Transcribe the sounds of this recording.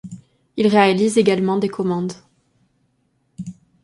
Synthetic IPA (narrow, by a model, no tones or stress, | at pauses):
ilʁealizeɡalmɑ̃d̪ekʰɔmɑ̃d̪